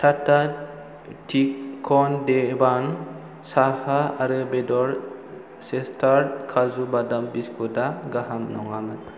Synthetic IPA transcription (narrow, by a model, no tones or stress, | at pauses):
tʰata | tʰikʰːɔndeban | sahaaɾɯbɛdɔɾ | sestʰaɾkʰazubadambiskʰɔdaɡaɦamnɔŋamɯn